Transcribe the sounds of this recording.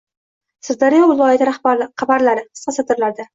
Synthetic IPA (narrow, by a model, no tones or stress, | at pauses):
sɪɾd̪aɾijɒvɪlˠɒjat̪ʰɾahqʰɑbaɾlaɾɪqʰɨ̥sqɑsɨd̪ɪɾlaɾd̪a